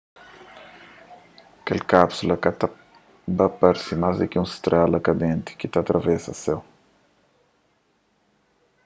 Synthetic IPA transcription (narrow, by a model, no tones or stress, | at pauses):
kelkapsulɐkat̪a | bapaɾsimazd̪ɪkɪũst̪ɾalɐkad̪ẽnt̪i̥kit̪at̪ɾɐvɛsɐ̰sɛw